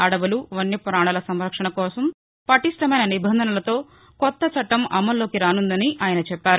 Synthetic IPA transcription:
ɐɽɐʋɐluʋɐnːipɾaːɳɐlɐsɐmɾɐkʂɐɳɐkɔːsɐm | pɐʈisʈɐmɐjnɐnibɐnd̪ʱɐnɐlɐt̪o̞ː | kɔt̪ːɐt͡ʃɐʈːɐmɐ̰mːɐlːo̞ːkiɾaːnund̪ɐniʔaːjɐnɐt͡ʃɛpːaːɾu

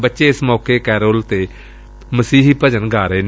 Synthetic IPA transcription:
bətːʃeːɪsmɔːkeːkɛːɾoːlt̪eː | məsiːɦipəd͡ʒənɡʱaːɾeːn

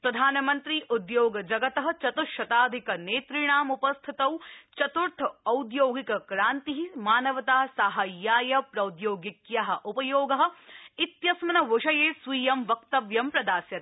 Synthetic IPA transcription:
pɾɐd̪ʱaːnɐmɐnt̪ɾiːʔud̪joːɡɐd͡ʒɐɡɐt̪ɐɦɐ̆t͡ʃɐt̪uʃɐt̪aːd̪ʱikɐneːt̪ɾiɳaːmupɐst̪ʰit̪ɐwt͡ʃɐt̪uɾt̪ʰɐɐwd̪joːɡikɐkɾaːnt̪iɦimaːnɐʋɐt̪aːsaːɦajːaːjɐpɾɐwd̪joːɡikjaɦɐ̆ʔupɐjoːɡɐɦɐ̆it̪jɐsmɐnɐʋʊʃɐjeːsʋiːjɐmʋɐkt̪ɐʋjɐmpɾɐd̪aːsjɐt̪

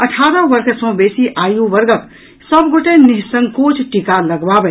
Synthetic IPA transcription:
əʈʰaːɾə̃ʋəɾkʰsə̃beːsiʔaːjũʋəɾɡək | səbɡoʈenɪɦsə̃ŋɡkoːt͡ʃʰʈikaləɡbabɛ

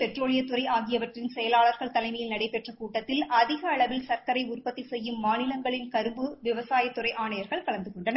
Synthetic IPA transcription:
pɛʈroːɭɪjɐt̪ːʊɾɐɪʔaːɣɪjɐʋɐʈrɪnsɛjɐlaːɭɐɾɣɐɭt̪ɐlɐɪmɐjɪlnɐɽɐɪpɛʈrɐkuːʈːɐt̪ːɪlʔɐðɪɣɐːɭɐʋɪlsɐɾkɐɾɐɪʊrpɐt̪ːisɛjːɯmːaːnɪlɐŋɡɐɭɪnkɐɾɯmbɯʋɪʋɐsaːjɐt̪ːʊrɐɪʔaːɳɐjɐɾɣɐɭkɐɭɐnd̪ɯkɔɳɖɐnɐ

